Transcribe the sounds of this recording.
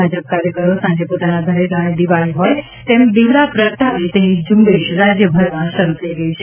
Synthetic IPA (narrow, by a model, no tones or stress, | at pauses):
ad͡ʒəp̚kaɾjəkəɾosãd͡ʒepot̪anad̪ʱəɾeɡaɽ̃ed̪iʋaɭiɦoj | t̪emd̪iʋɽapɾəkʈ̪ʰaʋet̪enid͡ʒũmbeʃɾad͡ʒjəbʱəɾmãʃəɾut̪ʰəiɡəĩt͡ʃʰe